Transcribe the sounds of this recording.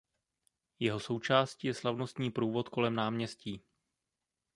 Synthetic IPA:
jɛɦo̞so̞wt͡ʃaːsciːjɛslavno̞st̪ɲiːpɾuːvo̞t̪ko̞lɛmnaːmɲɛsciː

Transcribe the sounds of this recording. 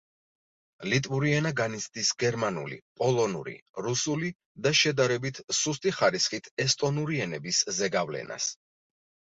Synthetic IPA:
lit̪ʼuɾiɛnaɡanisʰt̪ʼisɡɛɾmanṵlḭpʼɔlˠɔnṵɾḭɾusuli | d̪aʃɛd̪aɾɛbit̪ʰsust̪ʼiχaɾisχit̪ʰɛst̪ʼɔnuɾiɛnɛbiszɛɡavlɛ̰na̰s

